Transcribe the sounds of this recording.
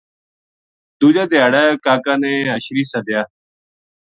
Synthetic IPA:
d̪uːd͡ʒaːd̪ɪjaːɽɛːkaːkãːneːɦəʃɾiːsəd̪ɪjaː

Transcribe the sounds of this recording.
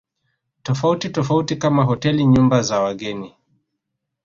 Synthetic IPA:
tɔfautitɔfautikamaɦɔtɛliɲumbazawaɠɛni

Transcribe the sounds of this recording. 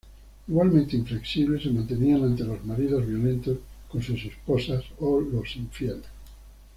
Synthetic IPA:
iɣwalmẽnt̪eiɱfle̞ksiβle̞semãnt̪e̞nianãnt̪e̞lo̞zmaɾiðozβjo̞lẽ̞nt̪osko̞nsuse̞sposasolosiɱfjel

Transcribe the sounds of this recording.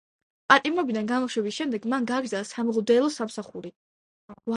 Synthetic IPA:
pʼat̪ʼimɔbid̪anɡamɔʃwɛbisʃɛmd̪ɛɡmanɡaːɡɾd̪zalasamɔʁɔd̪ɛlˠɔsamsaχuɾi | va

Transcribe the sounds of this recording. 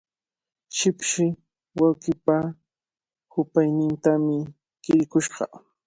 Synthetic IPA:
ʃɪpʃɪ | wawkɪpa | hʊpajnɪnt̪amɪ | kɪɾɪkʊʃɢɑ̰

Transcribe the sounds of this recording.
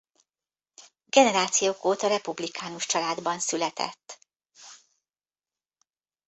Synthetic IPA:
ɡ̥ɛnɛɾaːt̪sijoːkoːt̪ɒɾɛpublikʰaːnuʃt͡ʃɒlaːd̪bɒnsylɛt̪ɛ̰t̪ː

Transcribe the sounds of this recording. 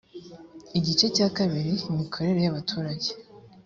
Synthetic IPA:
iɟit͡ʃe̞caːkaβiɾiimikʰo̞ɾe̞ɾe̞jaβatʰuːɾaɟe

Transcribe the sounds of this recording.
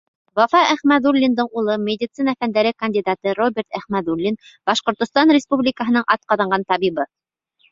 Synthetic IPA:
wɑfɑʔæχmæðulʲːind̪ɤɴulˠɤmʲed̪ʲɪt̪sɨnəfænd̪æɾɘkɐnʲd̪ʲid̪at̪ɤɾobʲeɾt̪æχmæd̪ulʲːin | b̥ɑʃqŏɾt̪ŏst̪ɑnrʲɪspublʲɪkəɦɤ̆n̪ɤɴʔɑt̪̚qɑðɑɴɢɑnt̪ɑβiβɤ

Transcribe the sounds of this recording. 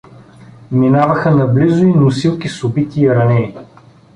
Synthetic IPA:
minavɐxənɐblizʊinʊsilˠkisʊbit̪iːɾɐnɛi

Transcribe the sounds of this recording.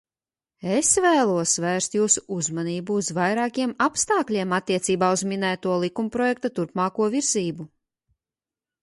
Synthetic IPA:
esvæːlˠuɔsvæːɾst̪juːsu̥uzmaniːbuːzvajɾaːkʲiɛmapst̪ɑːklʲiɛmat̪ʲːiɛt̪siːbaːuzminæːt̪uɔlˠikumpɾɔjɛk̚t̪at̪uɾpmaːkuɔviɾziːbu

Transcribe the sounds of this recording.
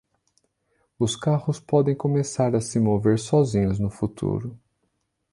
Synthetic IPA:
ʊskahʊspɔd̪ẽj̃kõmesaɾɐsɪmoveɾsɔzĩɲʊznʊfut̪ʰṵɾʊ

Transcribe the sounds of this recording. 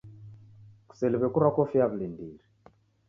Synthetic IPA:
ku̥sɛliβɛkuɾwakɔfiaβilindiɾi

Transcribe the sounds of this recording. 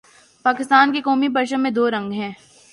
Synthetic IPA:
paːkɪst̪aːnkekɔːmipɐɾʃə̃mːẽd̪oːɾɐ̃ŋɡɦɛ̃ː

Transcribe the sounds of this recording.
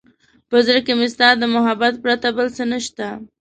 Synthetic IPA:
pəzəɾkemɪst̪ɑɾd̪əmʊɦabat̪̚pɾat̪abəlsənəʃt̪a

